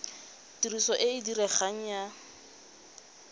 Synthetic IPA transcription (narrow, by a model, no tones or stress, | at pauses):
tirisɔʔɪɪdirɛχaŋ̩ja